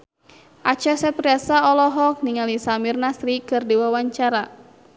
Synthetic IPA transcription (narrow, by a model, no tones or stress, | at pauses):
ʔat͡ʃasɛpɾiasaɔlɔɦɔk̚niŋalisamirnasɾikɨrdiwawaɲt͡ʃaɾa